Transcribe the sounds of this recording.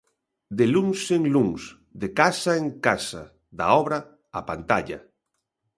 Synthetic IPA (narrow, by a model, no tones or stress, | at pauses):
d̪eluŋseŋluŋs | d̪ekasaeŋkasa̰ | ða̰ɔβɾɐ | apant̪aʎa̰